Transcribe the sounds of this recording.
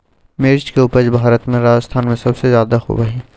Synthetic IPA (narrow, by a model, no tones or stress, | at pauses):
meːɾt͡ʃkeʊpəd͡ʒbʱaːɾət̪mẽɾaːd͡ʒəst̪ʰaːnmẽsɐbsezjaːd̪axo̰bɐɦiː